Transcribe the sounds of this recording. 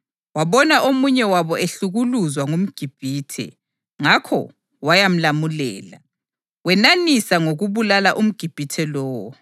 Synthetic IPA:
waβɔnaʔomuɲɛwaβɔeɬuɣuluzwaŋum̩ɡ̥ʱib̥ʱiːtʰɛ̰ | ŋakʰɔ̰ | wajam̩lamulɛ̰ːla | wɛnanisaŋoɣuβulalaʔum̩ɡ̥ʱib̥ʱitʰɛlɔːwɔ

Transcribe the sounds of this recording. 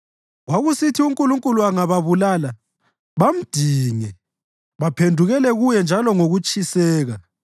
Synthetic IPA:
ɣwaɣusitʰiuŋkʼuluŋkʼuluaŋaβaβulaːla | βam̩d̥ʱiːŋɛ | βapʰendʱuɣɛlɛɣujɛnd͡ʒʱalɔŋoɣut͡ʃʼisɛːɣa

